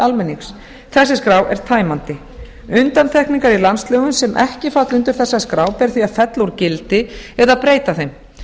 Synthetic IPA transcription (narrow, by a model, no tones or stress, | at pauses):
almɛnːiŋks | θɛsːɪskɾaːwɛ̰ɾ̥t̪ʰaːjmant̪ɪ | ʏnt̪ant̪ʰɛhkniŋkaɾilanslœːɣʏnsɛmʔɛhcɪfat̪lʏnt̪ʏɾ̥θɛsːaskɾaːwpɛɾθiaðfɛt̪lowɾcɪlt̪ɪɛðapɾeːjt̪aθejm